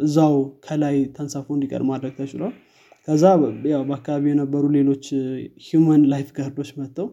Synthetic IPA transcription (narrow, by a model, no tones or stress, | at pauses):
ʔɨzːawkʰəlajt̪ʰənsafəwnd̪ikʼə̰ɾmad̪ɾəɡ̚t̪ʰət͡ʃːɪlal | kʰəzːajawbəakːaβaβijɛnəbːəɾule̞lo̞t͡ʃːhjumənlajfɡəhɾd̪o̞t͡ʃːmət̪ːəw